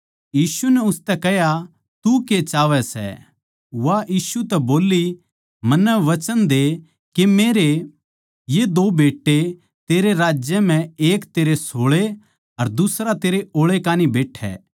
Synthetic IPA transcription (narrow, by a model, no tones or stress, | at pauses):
jiːsunɛʊst̪ɛkɛɦja | t̪uket͡ʃaːʋɛsɛ̰ | ʋaʔiːsut̪ɛboːli | mɐnːəʋɐt͡ʃənd̪e | kemeːɾe | jed̪oːbeːʈːe | t̪eːɾeɾaːd͡ʒjəm̤ɛ̃eːkt̪eːɾesoːɭe | ɐɾd̪ʊsɾat̪eːɾeoːɭekaːnibeːʈʰɛ̰ː